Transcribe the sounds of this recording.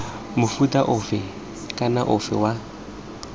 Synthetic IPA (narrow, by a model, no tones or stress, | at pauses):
mʊfutʼaʔʊfɛ | kʼanaʔʊfɛ̰wa